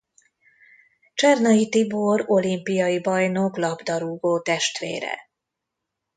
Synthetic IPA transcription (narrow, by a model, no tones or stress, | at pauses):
t͡ʃɛrnɒjit̪iboro̞limpijɒjibɒjnoklɒbd̪ɒɾuːɡoːt̪ɛʃt̪ʋḛːɾɛ̰